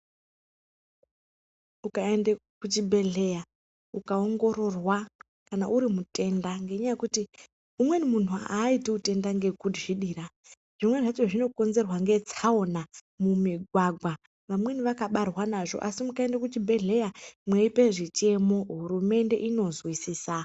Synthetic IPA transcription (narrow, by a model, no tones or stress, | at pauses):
ukaendekut͡ʃibʱe̞ɮe̞ja | ukao̞ŋɡo̞ɾo̞rwa | kanaʔuɾimute̞ndaŋɡe̞ɲajekuti | umwe̞nimun̤uaːiteute̞ndaŋɡe̞kudʐiɗiːɾa | ʐ̥imwe̞ʐat͡ʃoʐino̞ko̞nze̞rwaŋɡe̞t͡sao̞na | mumiɡʱwaɡʱwa | ʋamwe̞niʋakaɓarwanaʐo̞̰ʔasimukaendakut͡ʃibʱe̞ɮe̞jamweipe̞ʐit͡ʃe̞mo̞ɦuɾume̞nde̞̰ʔino̞zwisiːsa